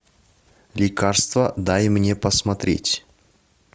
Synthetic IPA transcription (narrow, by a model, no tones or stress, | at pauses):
lʲɪkarst̪vəd̪ajmnʲe̞pəsmɐt̪ɾʲḛtʲ